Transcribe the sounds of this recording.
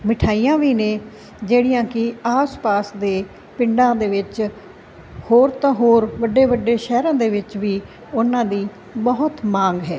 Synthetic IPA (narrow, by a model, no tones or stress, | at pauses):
mɪʈʰaːiːãːʋiːnẽː | d͡ʒeːɽijãːkɪaːspaːsd̪eː | pɪɳɖãːd̪eːʋɪt͡ʃ | hoːɾt̪ãːɦoːɾʋəɖeːʋəɖeːʃɛːɾãːd̪eːʋɪt͡ʃʋiː | ʊnãːd̪iː | bəɦʊt̪mãːŋɡɦɛː